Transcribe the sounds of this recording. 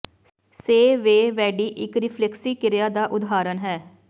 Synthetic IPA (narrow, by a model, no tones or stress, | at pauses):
seːʋeːʋɛːɖiːʔɪkɾɪpʰlɛksiːkɪɾjaːd̪aːʔʊd̪ɦaːɾənɦɛː